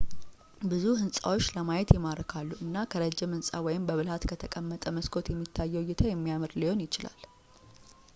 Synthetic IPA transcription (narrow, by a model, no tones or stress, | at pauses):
bɨzuhɨnsʼa̰wo̞t͡ʃːləmajɛt̪jɛmaɾəkʰalːuʔɨnːakʰəɾəd͡ʒːɪmhɨnsʼawɔjɪmbəβɨlhat̪kʰət̪ʰəkʼəmːət̪ʼəməskʰo̞t̪jɛmːit̪ʰːajːɛwjːɪt̪ʰəjɛmːijamɨɾliho̞njɪt͡ʃɪla̰l